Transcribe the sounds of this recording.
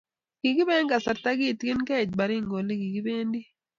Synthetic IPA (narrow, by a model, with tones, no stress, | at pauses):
ɡ̥i˨ɡi˦bɛ˦ŋɡa˨sa˨ta˦ɡi˦˨tkɪ˦nkɛ˦˨d͡ʒ̚ba˨ɾi˦˨ŋɡo˨li˦ɡi˨ɡi˦be˦ndi˦